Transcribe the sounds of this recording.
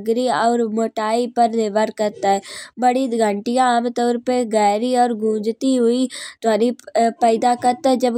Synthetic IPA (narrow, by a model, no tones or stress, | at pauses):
ɡɾiɔːɾmoːʈaːipɐɾneʋəɾkɐɾt̪aɦɛːbɐɽiɡʱəɳʈijãːmt̪ɔːɾpeɡɛːɾiɔːɾɡʱũːd͡ʒt̪iɦʊit̪ʊaːnipɛːɪd̪akɐɾt̪ad͡ʒɐb